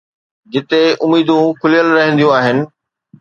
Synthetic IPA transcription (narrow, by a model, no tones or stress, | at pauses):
d͡ʑɪt̪eʊmiːd̪ũkʰʊlijəlɾɐɦə̃nd̪ijũaːɦɪnɪ̆